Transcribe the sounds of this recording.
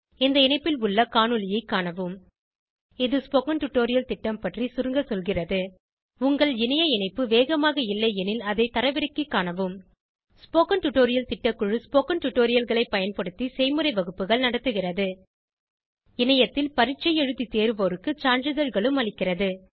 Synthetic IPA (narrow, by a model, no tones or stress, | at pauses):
ɛnd̪ɐɪnɐɪpːɪlʊɭːɐkaːnɯlɪjɐɪkːaːɳɐʋɯm | ɪðɯspoːkɐnʈʊʈːoːɾɪjɐlt̪ɪʈːɐmpɐʈrisʊɾɯŋɡɐsɔlɣɪrɐðɯ | ʊŋɡɐɭɪnɐjɐɪnɐɪpːɯʋeːɣɐmaːɣɐɪlːɐɪɛnɪlɐðɐɪt̪ɐɾɐʋɪɾɐkːɯkːaːɳɐʋɯm | spoːkɐnʈʊʈːoːɾɪjɐlt̪ɪʈːɐkːɯɻɯspoːkɐnʈʊʈːoːɾɪjɐlɣɐɭɐɪpːɐjɐnpɐɽɯt̪ːisɛɪmɯɾɐɪʋɐɣɯpːɯɣɐɭnɐɽɐt̪ːɯɣɪrɐðɯ | ɪnɐjɐt̪ːɪlpɐɾɪt͡ʃːɐjɛɻɯt̪ːit̪eːɾɯʋoːɾɯkːɯt͡ʃaːɳd͡ʒɪðɐɻɣɐɭɯmɐɭɪkːɪrɐðɯ